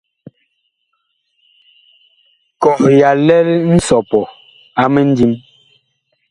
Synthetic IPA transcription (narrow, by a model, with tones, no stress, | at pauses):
kɔ˨ʔja˨lɛ˦ln̩˦sɔ˨pɔ˨ | a˨me˦n̩˦di˦m